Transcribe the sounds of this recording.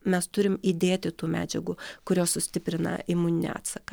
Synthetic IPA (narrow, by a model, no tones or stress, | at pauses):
mʲɛst̪ʊɾʲɪmid̪ʲeːt̪ʲɪt̪uːmʲæ̰ːd͡ʒʲɛɡʊkʊɾʲoːsʊsʲt̪ʲɪpʲɾʲɪnɐ̰ɪmuːnʲɪnʲɛ̰ɑ̰ːt̪sɐkɐ